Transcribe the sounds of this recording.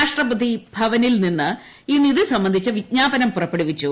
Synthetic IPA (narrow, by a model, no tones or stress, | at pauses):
aːʂʈrɐpɐd̪ʱibʱɐʋɐnilninːɨ | inːiðɨsɐmbɐnd̪ʱit͡ɕːɐʋiɲaːbɐnɐmpurɐpːeɽiʋit͡ɕːu